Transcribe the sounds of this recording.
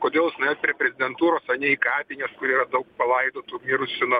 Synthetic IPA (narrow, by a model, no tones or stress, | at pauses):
koːd̪ʲeːlˠsʲnɐɛt̪pʲɾʲepʲɾʲɛzʲɪd̪ʲɛnt̪uːɾoːsɐnʲɛikɑːpʲɪnʲeskʊɾʲiːɾɐd̪ɐʊk̚pɐlˠɐɪd̪oːt̪umʲiːɾʊsʲɪno